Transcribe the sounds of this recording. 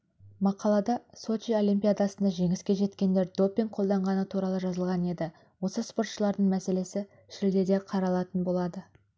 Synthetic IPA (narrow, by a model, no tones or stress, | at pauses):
mɑqɑlˠɑd̪ɑso̞t͡ʃio̞lʲimpʲijad̪ɑsənd̪ɑʒe̞ŋɪskʲe̞ʒe̞t̪kʲe̞nd̪e̞ɾd̪o̞pʲːiŋɡ̚qʰo̞lˠd̪ɑɴʁɑnət̪ʰuɾɑlˠəʒɑzəlˠʁɑne̞d̪ɪ | wo̞səspo̞ɾt̪ʃəlˠɑɾd̪əɴmæse̞le̞sɪ | ʃɪld̪e̞d̪e̞qʰɑɾɑlˠɑt̪ənbo̞lˠɑd̪ə